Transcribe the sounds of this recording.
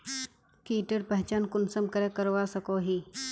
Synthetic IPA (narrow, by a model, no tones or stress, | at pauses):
kiːʈəɾpəɦɪt͡ʃaːnkʊnsəmkəɾekəɾʋasɐkoːɦiː